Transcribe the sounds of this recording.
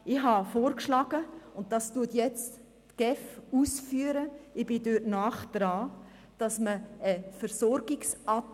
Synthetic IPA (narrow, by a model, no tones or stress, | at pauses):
ɪɦɑfoːɾkʃlɑːɡ̥əʊnt̚d̥ɑstuətjɛt͡stː | ɡ̥ɛfuːsfyːəɾəɪb̥ɪdøtnaːχd̥ɾɑː | d̥ɑsməəfəɾsɔɾɡɪksɑ